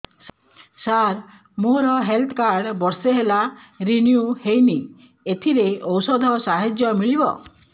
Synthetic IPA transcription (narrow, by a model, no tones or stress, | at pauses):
saɾ | moɾɔɦelt̪ʰkaɾɖbɔɾseɦelaɾinjuhejni | et̪ʰiɾeɔwsɔd̪ʱɔsaɦed͡ʒjɔmiɭibɔ̰